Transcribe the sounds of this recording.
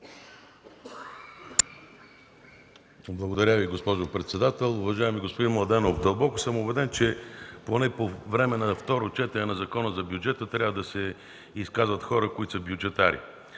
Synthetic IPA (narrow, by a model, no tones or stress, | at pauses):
blˠɐɡod̪ɐɾʲaviɡospɔʒʊpɾɛt̪sɛd̪at̪ɛlˠʊvɐʒaɛmiɡospod̪inmlˠɐd̪ɛnofd̪əlˠbɔkʊ̥sɤmʊbɛd̪ɛnt͡ʃɛponɛpovɾɛmɛnɐft̪ɔɾot͡ʃɛt̪ɛɾɛnɐzɐkɔnəzɐbjud͡ʒɛt̪ət̪ɾʲjavəd̪ɐsɛ | iskazvət̪xɔɾəkʊit̪səbjud͡ʒɛt̪aɾḭ